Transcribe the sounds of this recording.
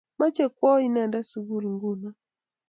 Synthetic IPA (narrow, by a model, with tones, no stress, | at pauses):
ma˦t͡ʃɛ˦˨kwɔ˦i˦na˨nda˦su˨ɡu˦li˨ŋɡu˦na˨